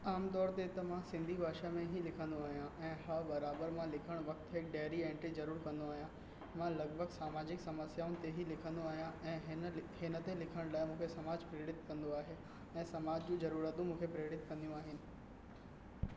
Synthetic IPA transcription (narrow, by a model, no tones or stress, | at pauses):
aːmt̪ɔːɾt̪et̪ɐmãsɪ̃nd̪ʱibʱaːʃamẽɦilɪkʰə̃nd̪oaːɦijãʔɛ̃ːɦɐbɐɾaːbəɾmãlɪkʰəɽ̃ʋɐk̚t̪ɦɪk̚ɖeːɾiẽːɳʈɾizɐɾuːɾkɐ̃nd̪oaːɦijã | mãlɐɡbʱəɡsaːmaːd͡ʑɪksɐməsjaːʊnɪ̆t̪eɦilɪkʰə̃nd̪oaːɦijãʔɛ̃ːɦɦɪnə̆t̪elɪkʰəɽ̃laːɪmũːkʰesɐmaːd͡ʑpɾeːɽɪt̪kɐ̃nd̪oaːɦe | ɛ̃ːsɐmaːd͡ʑd͡ʑũd͡ʑɐɾuːɾət̪ũmũːkʰepɾeːɽɪt̪kɐ̃nd̪ijũaːɦɪnɪ̆